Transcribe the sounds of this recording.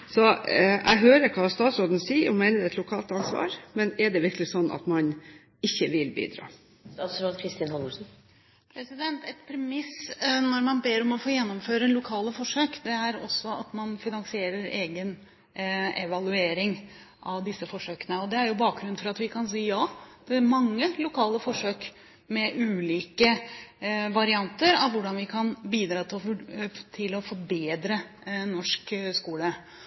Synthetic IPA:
sɔʔæ̰ɪɦøːɾəɾkʰɑːst̪ɑːt̪sɾoːd̪n̩siːəɾɔmæɪnəd̪ɛt̪lʊkʰɑːlt̪ɑnsʋɑ̰ːɾmɛnɛɖɛʋɪɾklɪsɔnːʔɑ̰t̪mɑn | ɪçːəʋɪlbḭːd̪ɾɑ̰ː | st̪ɑt̪sɾot̪kʰɾɪst̪ɪnhɔnʊsn̩ | pʰɾɛsɪd̪ɛnt̪ɛt̪pʰɾɛmɪsnɔɾmɑnbeːɾɔmɔfoːjɛnːɔmføːɾəlʊkʰɑːləfɔʂøːkd̪ɛæɾɔ̰sːɔɑt̪mɑnfɪnɑŋsɪeːɾəɾeːɡən | ɛʋɑlʉeːɾɪŋ | ʔɑʋd̪ɪsːəfɔʂøːkənəɔd̪ɛæɾjʊbɑːk̚ɡɾʉn̩fɔɾɑt̪ʋɪkʰɑnsiːəjɑːd̪̥ɛæɾmɑŋːəlʊkʰɑːləfɔʂøːk | mɛʔʉːliːkə | ʋɑɾɪɑnt̪əɾɑʋʋʊɖɑnʋɪkʰɑnbiːd̪ɾɑːt̪ʰɪɔt̪ʰɪlɔfɔɾbeːd̪ɾə | nɔʂkskuːlə

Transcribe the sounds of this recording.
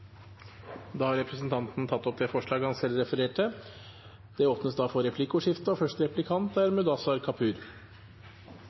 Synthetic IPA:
d̪ɑːhɑɾɛpɾəsn̩t̪ʰɑnt̪n̩t̪ʰɑt̪ːɔp̚d̪eːfɔʂɭɑːɡhɑnsɛlːɾɛfəɾeːʈə | d̪̥ɛoːpnəsd̪ɑːfɔɾɛpʰlɪkʊʂɪft̪əɔfœʂt̪ɾɛplɪkʰɑnt̪æɾmʉd̪ɑsɑɾkʰɑpʰʉːɾ

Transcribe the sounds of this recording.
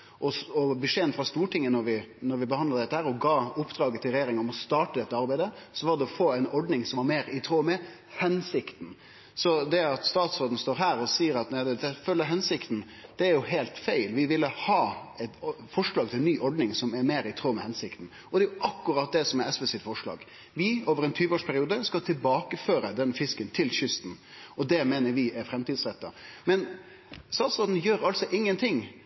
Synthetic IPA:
ʔɔɔbəʂeːənfɾɑst̪uːʈʰɪŋːənɔɾʋɪnɔɾʋɪbəhɑnd̪əɾd̪ɛt̪ːəhæːɾɔɡɑːʊpːd̪ɾɑːɡət̪ʰɪlɾɛjeːɾɪŋɔmɔst̪ɑːʈəd̪ɛt̪ːəɑɾbæɪd̪əsɔʋɑɾd̪ɛɔfoːæɪnɔɖnɪŋsɔmʋɑɾmeːɾɪt̪ʰɾoːmɛ | hɛnsɪkt̪n̩ | sɔd̪ɛɑt̪st̪ɑːt̪sɾoːd̪n̩st̪oːɾɦæːɾɔsiːəɾɑt̪næɪd̪ɛd̪ɛfœlːəɾɦɛnsɪkt̪n̩ | d̪̥ɛæɾjʊɦæɪlt̪fæɪlʋɪʋɪlːəhɑːɛt̪fɔʂɭɑːɡ̚t̪ʰɪlnyːʔɔɖnɪŋsɔmæɾmeːɾɪt̪ʰɾoːmɛhɛnsɪkt̪n̩ | ɔd̪ɛjʊʔɑkːʊɾɑt̪̚d̪ɛsɔmɛɛsʋɛsɪt̪fɔʂɭɑ̰ːɡ | ʋɪoːʋəɾɛnt̪ʰyːʋəoːʂpʰæɾɪuːd̪əskɑt̪ʰɪlbɑːkəføːɾəd̪ɛnfɪskənt̪ʰɪlɕʏst̪n̩ɔd̪ɛmeːnəɾʋɪʔɛɾfɾɛmt̪iːd̪sɾɛt̪ːɑmɛn | st̪ɑːt̪sɾoːd̪n̩jøːɾɑltsɔʔɪŋːənt̪ʰɪŋː

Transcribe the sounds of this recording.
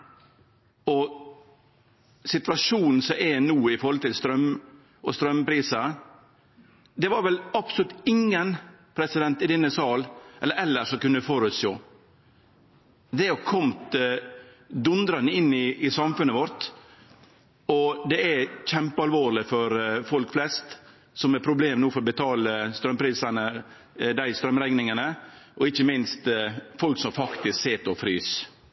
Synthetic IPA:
ɔ | sɪt̪ʋɑʂuːnn̩sɔʔɛnuːɪfɔɾhɔlt̪ɪlst̪ɾœm | ʔɔst̪ɾœmpɾiːsə | d̪ɛʋɑɾʋɛlɑpsɔlʉt̪ɪŋːən | pʰɾɛsɪd̪ɛnt̪ɪd̪ɛnːəsɑːlʔɛləɾɛlːəʂɔmkʉnːəfɔɾʉt̪st̪o̰ː | d̪ɛɔkʰɔmt̪ | d̪ʉnd̪ɾɑnəɪnːɪɪsɑmfʉnːəʋɔɾt̪ | ɔd̪ɛæçɛmpəɑlʋoːɾɭɪfɔɾfɔlkflɛst̪ | sɔmɛpʰɾʊbleːmnuːfɔɾɔbət̪ʰɑːləst̪ɾœmpʰɾiːsənə | d̪æɪst̪ɾœmɾɛŋnɪŋənəʔɔɪçəmɪnst̪fɔlksɔmfɑkt̪ɪskseːt̪ɔfɾyːs

